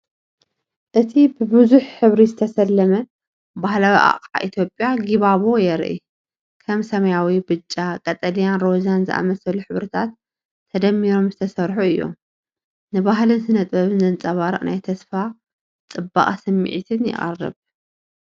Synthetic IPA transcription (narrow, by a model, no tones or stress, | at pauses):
ʔɨt̪ʰibɨbɨzuħħɨβɾizɨt̪ʰɐsɐlːɐmɐ | bahlawiʔa̰χʼaʔit̪ʰjo̞pʼjaɡiβaβo̞jɛɾ̰ʔḭ | kʰɐmsɐmɐjawibɨt͡ʃʼːakʼɐt̪ʼɐlijanɾo̞zanzɨ̰ʔa̰mɐsɐluħɨβɾɨt̪ʰat̪ʰː | ɐd̪ɐmːiɾo̞mzɨt̪ʰɐsɐɾħuɨjːo̞̰m | nɨβaɦlɨnsɨnɐt̪ʼbɐβɨnɨnt͡sʼɐβaɾɨχʼna̰jt̪ʰɐsfa | t͡sʼɨbːa̰χʼasɐmːḭʕit̪ʰɨnjɪ̰χʼɐ̰rːɨ̰β